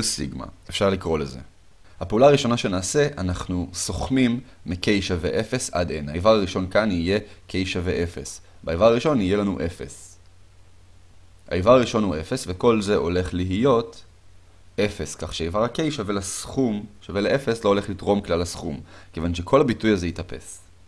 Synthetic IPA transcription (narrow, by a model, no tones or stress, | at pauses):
siɡma̰efʃaʁlikʁo̞leze̞̰ | hapeulaːʁiʃo̞naʃe̞naːse̞ʔanaχnuso̞χmimː | ike̞jʃavḛʔe̞fe̞sa̰denaivaʁaʁiʃo̞nkanije̞kʰe̞jʃaveʔe̞fes | beaivaʁaʁiʃo̞nije̞lanuʔe̞fe̞̰s | a̰ivaʁaʁiʃo̞nhuʔe̞fesveko̞lze̞ʔo̞le̞χliɦijo̞t | ʔe̞fe̞skaχʃeaivaʁakejʃavelasχumʃaveleʔefeslo̞ole̞χlitʁo̞mklalasχumke̞vanʃe̞kʰo̞labitujazejitape̞̰s